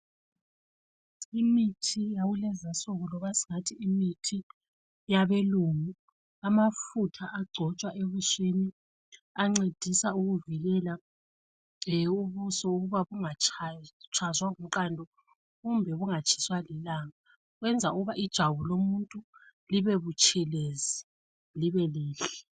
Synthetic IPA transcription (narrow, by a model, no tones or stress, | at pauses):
imitʰijawulɛzasɔɣɔlɔβasi̥ŋatʰiːmitʰi | jaβeluːŋu | amafutʰaʔaɡ͡ǀʱɔt͡ʃʼwaʔeβuʃeni | aŋ͡ǀed̥ʱisauɣuviɣɛla | uβusɔuɣuβaβuŋat͡ʃʰt͡ʃʰazwaŋumǃandʱɔ | ɣumbʱɛβuŋat͡ʃʰʼi̥swalilaŋa | ɣwɛnd͡zʱauɣuβaʔid̥ʒ̥ʱaβulomuntʼu | liβɛβut͡ʃʼʰɛlezi | liβɛliːɬɛ